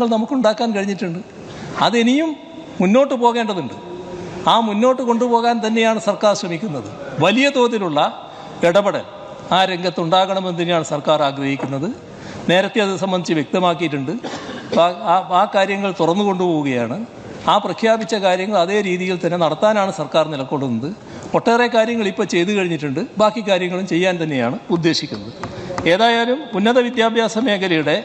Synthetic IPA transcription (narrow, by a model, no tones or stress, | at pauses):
ŋːɐɭnɐmukːuɳɖaːkːaːnkɐɻiɲːiʈːuɳɖɨ | ɐðe̞nijumː | unːo̞ːʈːɨpo̞ːɣe̞ːɳɖɐðuɳɖɨaːmunːo̞ːʈːɨko̞ɳɖupo̞ːɣaːnt̪ɐnːe̞jaːɳɨsɐrkaːrɕrɐmikʲːunːɐðɨʋɐlijɐd̪o̞ːðiluɭːɐ | eɽɐbɐɽɐ̰l | aːɾe̞ŋɡɐt̪ːuɳɖaːɣɐɳɐmend̪ɐnejaːɳɨsɐrkaːraːɡɾɐhikʲːunːɐðɨ | ne̞ːɾɐt̪ːeɐðɨsɐmbɐnd̪it͡ɕːɨʋjek̚t̪ɐmaːkːijiʈːuɳɖɨaaːkaːɾjɐŋːɐɭt̪urɐnːuko̞ɳɖupo̞ːɣuɣɐjaːɳɨ | aːprɐkʰjaːbit͡ɕːɐkaːɾjɐŋːɐɭɐðe̞ːɾiːðijilt̪ɐnːe̞nɐɽɐt̪ːaːnaːɳɨsɐrkaːrnilɐkːo̞ɳɖunːɐðɨ | o̞ʈːeːrekaːɾjɐŋːɐɭipːoːt͡ɕe̞jt̪ukɐɻiɲːiʈːuɳɖɨbaːkːikːaːɾjɐŋːɐɭumt͡ɕe̞jːaːnt̪ɐnːe̞jaːɳɨud̪ːe̞ːɕikʲːunːɐðɨe̞ːðaːjaːlumunːɐðɐʋid̪jaːbʱjaːsɐme̞ːkʰɐlɐjuɽe̞